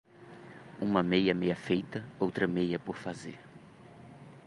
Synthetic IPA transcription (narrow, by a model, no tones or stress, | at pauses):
ũmɐmejɐmejɐfejt̪ɐowt̪ɾɐmejɐpoɾfazḛɾ